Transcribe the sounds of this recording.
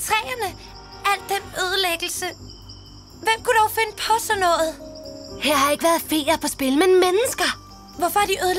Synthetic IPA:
t͡sʰʁɛ̰ːɐnə | æl̰d̥ːenøð̞ˠəleɡ̥l̩sə | ʋem̰kʰud̥ɒʊfe̝nəpʰɒ̽sɒnɔ̽ːð̩ˠheɐ̰ɦɑ̈e̝ɡ̥əʋæɐð̩ˠfe̝̰ːɐpʰɒ̽sb̥e̝lmenmenəsɡ̥ɐ | ʋɒfɒ̽æɐd̥iʔøðˠə

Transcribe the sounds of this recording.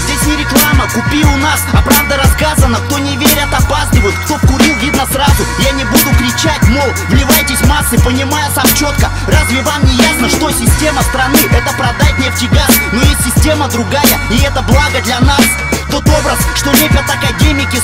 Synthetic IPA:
zʲdʲesʲnʲɪɾʲɪklˠaməkʊpʲiʊnasɐpɾavd̪əɾɐskazənək̚t̪o̞nʲɪvʲeɾʲət̪ɐpasʲnʲɪvəjʊt̪kt̪o̞kʊɾʲilˠvʲid̪nəsrazʊjanʲɪbud̪ʊkɾʲɪt͡ɕatʲmo̞lˠvnʲɪvajtʲɪsʲmasːɨpənʲɪmajəsamt͡ɕo̞t̪kə | razvʲɪvamnʲɪjasnəʂt̪o̞sʲɪsʲtʲe̞məst̪ɾɐnɨʔɛt̪əpɾɐd̪at̚ʲnʲɪftʲɪɡʲanojesʲːɪsʲtʲe̞məd̪ɾʊɡajəɪɛt̪əblˠaɡəd̪lʲɐnas | t̪o̞t̪o̞bɾəsʂt̪olʲepʲət̪ɐkɐdʲemʲɪkʲɪ

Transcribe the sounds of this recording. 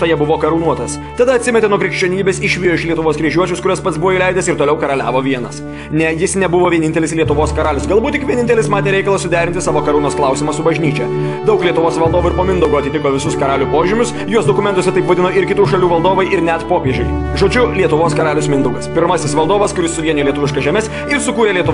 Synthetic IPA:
t̪ɐjɛbʊʋoːkɐɾuːnuɔt̪ɐs | t̪ɐd̪ɐɐt̪sʲɪmʲɛt̪ʲeːnuɔkɾʲɪkʃʲt͡ʃʲoːnʲiːbʲeːsɪʃʲʋʲijoːɪʃlʲiɛt̪ʊʋoːskɾʲiɛʒʲuɔt͡ʃʲʊskʊɾʲuːspɐt̪sbʊʋoːilʲɛɪd̪ʲesɪɾt̪oːlʲɛʊkɐɾɐlʲæ̰ːʋoːʋʲiɛnɐs | nʲɛjɪsnʲɛbʊʋoːʋʲiɛnʲɪnt̪ʲɛlʲɪslʲiɛt̪ʊʋoːskɐɾɑːlʲʊsɡɐlˠbut̪ʲɪkʋʲiɛnʲɪnt̪ʲɛlʲɪsmɑːt̪ʲeːɾʲɛɪkɐlˠɐsʊd̪ʲæːɾʲɪnʲt̪ʲɪsɑːʋoːkɐɾuːnoːsklˠɑʊsʲimɐsʊbɐʒʲnʲiːt͡ʃʲɛ | d̪ɐʊklʲiɛt̪ʊʋoːsʋɐlˠd̪oːʋuːɪɾpoːmʲɪnd̪ʊɡoːɐt̪ʲɪt̪ʲɪkoːʋʲɪsʊskɐɾɑːlʲupoːʒʲɪmʲʊs | juɔsd̪oːkʊmʲɛnt̪ʊsʲɛt̪ɐɪpʋɐd̪ʲɪnoːɪɾkʲɪt̪uːʃɐlʲuːʋɐlˠd̪oːʋɐɪʔɪɾnʲɛt̪poːpʲiɛʒʲɛɪ | ʒoːd͡ʒʲʊlʲiɛt̪ʊʋoːskɐɾɑːlʲʊsmʲɪnd̪ʊɡɐspʲɪɾmɐsʲɪsʋɐlˠd̪oːʋɐskʊɾʲɪssʊʋʲiɛnʲoʊlʲiɛt̪ʊʋʲɪʃkɐʒʲɛːmʲɛs | ɪɾsʊkuːɾʲeːlʲiɛt̪ʊ

